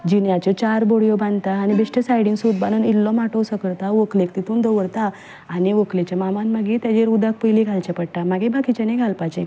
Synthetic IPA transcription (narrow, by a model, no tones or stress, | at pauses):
d͡ʑinjat͡ɕɔt͡ɕaɾboɽjɔbãnd̪t̪aːnibeɕʈesajɽĩːnsud̪banənilːɔmaʈɔwsəkəɾt̪aʋəklek̚t̪it̪ʰuːnd̪əʋəɽt̪aː | niʋəklet͡ɕamamanmaɡit̪jad͡ʑeɾud̪ak̚pəjliɡʱalt͡ɕapəɽʈ̪amaɡebakit͡ɕaniɡʱalpat͡ɕẽ